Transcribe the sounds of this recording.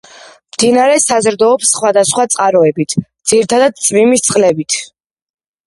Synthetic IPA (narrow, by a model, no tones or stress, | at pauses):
md̪̥inaɾɛsazɾd̪ɔːpsχwad̪asχwat̪sʼqʼaɾɔɛbit̪ʰd̪z̥iɾit̪ʰad̪ad̪̚t̪sʼmimist̪sʼχʼlɛbit̪ʰ